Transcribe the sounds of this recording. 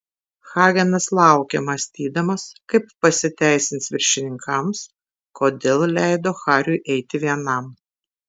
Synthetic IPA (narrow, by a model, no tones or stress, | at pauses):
xɑːɡʲɛnɐslˠɑˑʊkʲemɐsʲt̪ʲiːd̪ɐmɐskɐɪpːɐsʲɪt̪ʲæˑɪsʲɪnt̪sʋʲɪɾʲʃʲɪnʲɪŋkʰɐms | koːd̪ʲeːlˠlʲæˑɪd̪oːxɑːɾʲʊɪʔɛɪt̪ʲɪʋʲiɛnɐm